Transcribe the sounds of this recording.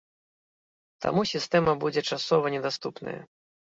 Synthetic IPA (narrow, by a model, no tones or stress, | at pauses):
t̪ʰa̰musʲist̪ɛmɐbud͡zʲɛt͡ʂasɔvɐnʲɛd̪ast̪upnɐ̰jɐ̰